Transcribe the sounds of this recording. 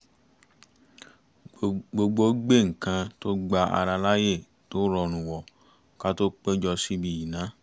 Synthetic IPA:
ɡ͡bo˧ɡ͡bo˧˦ɡ͡be˦˨ŋ̩˨kã˧to˦ɡ͡ba˧ʔa̰˧ɾa˧la˦je˦˨ | to˦ɾɔ˧ñũ˨wɔ˨ | ka˦to˦k͡pe˦d͡ʒɔ˧si˦bi˧˨ji˨nã˨˦

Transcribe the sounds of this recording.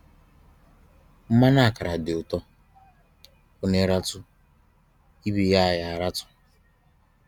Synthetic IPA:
m̩˦ma˦na˦a˨ka˨ɾa˨dɪ˨ʊ˨tɔ˦ | kʊ˦ne˨˦ɾa˦tʊ˦ | i˦bi˨ja˦˨ja˨ɾa˦tʊ̥˦

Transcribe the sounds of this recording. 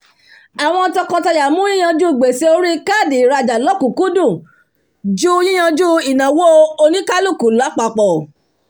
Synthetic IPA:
a˨w̃ɔ̃˧ɔ˧tɔ˧kɔ̃˧ta˧ja˨mũ˦jĩ˦j̃ã˧d͡ʒu˦˨ɡ͡be˨se˧o˧˦ɾi˦ka˦˨di˨ɾa˧d͡ʒa˨lɔ˨˦kũ˨ku˨˦dũ˦˨ | d͡ʒu˦jĩ˦j̃ã˧d͡ʒu˦i˨nã˨wo˦o˧nĩ˦ka˦lu˦˨ku˨˦la˨˦k͡pa˧k͡pɔ˨

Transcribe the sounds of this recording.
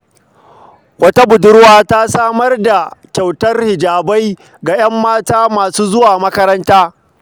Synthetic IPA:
wɐ˦ta˦bʊ˨dʊ˦ɽwaː˦ta˦saː˦mɐ˦rda˨kʲa˨wtɐ˦rhɪ˨d͡ʒaː˨ba˦j | ɡa˨j̰ɐ˦mːaː˦taː˦maː˨suː˦zʊ˦waː˨mɐ˦kɐ˦ɾɐ˦ntaː˦

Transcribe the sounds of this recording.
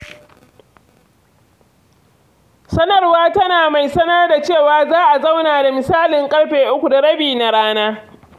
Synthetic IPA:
sɐ˦nɐ˦˨rwaː˦tɐ˦naː˨ma˨jsɐ˦nɐ˦rda˨t͡ʃeː˦˨waː˨zaː˦ʔa˨za˦wnaː˨da˨mɪ˨saː˦lɪ˨ŋkʼɐ˦ɽɸeː˨ʔʊ˦kʷu˨da˨ɽɐ˦biː˨na˨ɽaː˦naː˦

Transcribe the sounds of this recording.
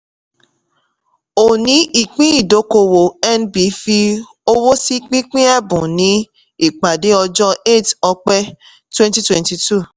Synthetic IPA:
o˨nĩ˨˦ʔi˨k͡pĩ˦i˨do˨˦ko˧wo˨ɛ˦nbi˨˦fi˦ | o˦wo˦si˦k͡pĩ˦k͡pĩ˦ɛ˦bũ˨nĩ˦ | i˨k͡pa˨de˦ɔ˧d͡ʒɔ˦e˦˨tɔ˧k͡pɛ˦ | twɛ̃˦nti˦twɛ̃˨nti˨tu˦˨

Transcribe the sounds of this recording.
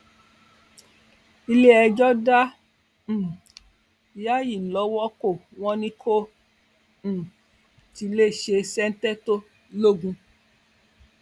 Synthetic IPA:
i˧le˦ɛ˧d͡ʒɔ˦dã˦˨ | ja˦ji˦˨lɔ˨˦wɔ˦ko˦˨w̃ɔ̃˧nĩ˧kʰo˦˨ | ti˧le˦˨ʃe˧sɛ˦n̩˦tɛ˦to˦ | lo˦˨ɡũ˧

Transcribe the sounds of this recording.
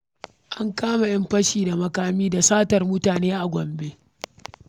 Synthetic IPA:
ʔa˦ŋkaː˦ma˨jɐ˦mɸɐ˦ʃiː˨da˨mɐ˦kaː˦miː˦da˨saː˦tɐ˨rmʊ˦taː˨neː˦ʔa˨ɡʷɔ˨mbe˦

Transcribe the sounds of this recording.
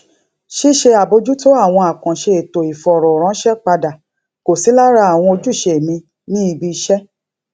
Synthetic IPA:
ʃi˦ʃe˧a˨bo˧d͡ʒu˦to˦a˦˨w̃ɔ̃˧a˨kã˨ʃe˧e˨to˨i˨fɔ˨ɾɔ˨ɾ̃ã˨˦ʃɛ˦k͡pa˧da˨ | ko˨si˨˦la˦ɾa˧˦a˨w̃ɔ̃˧o˧d͡ʒu˦˨ʃe˧˨mĩ˧ | nĩ˦i˧bi˧ʃɛ˦

